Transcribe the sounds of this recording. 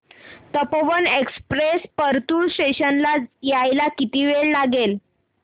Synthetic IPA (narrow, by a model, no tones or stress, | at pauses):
t̪əpoʋənekspɾespəɾt̪uːɭsʈeɕənlajajlakit̪iʋeɭlaɡel